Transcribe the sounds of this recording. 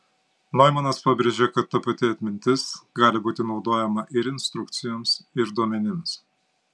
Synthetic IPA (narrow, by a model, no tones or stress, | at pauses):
nɔɪmɐnɐspɑbʲɾʲeʒʲekɐt̪ːɐpɐt̪ʲɪɐt̪ʲmʲɪnʲt̪ʲɪsɡɑːlʲɪbuːt̪ʲɪnɒʊd̪oːjɛmɐʔɪɾɪnʲst̪ɾʊkt̪sʲɪjoːmsɪɾd̪uɔmʲɛnʲɪms